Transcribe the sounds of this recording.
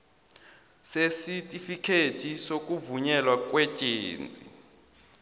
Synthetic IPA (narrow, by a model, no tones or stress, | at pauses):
sesitʼifikʰetʰisok̬ʼuvuɲɛlwak̬ʼwɛt͡ʃʼḛːnt͡sʼḭ